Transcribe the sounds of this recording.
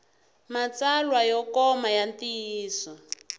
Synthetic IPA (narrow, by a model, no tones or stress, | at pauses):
mat͡salwajɔkɔmajantiiːsɔ